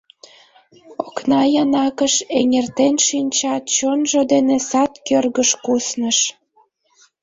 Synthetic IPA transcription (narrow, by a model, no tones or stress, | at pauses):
oknɑjɑnɑkəʃeŋert̪enʃinʲt͡ɕɑt̪̚t͡ɕonʒod̪enesɑt̪kørɣəʃkusnəʃ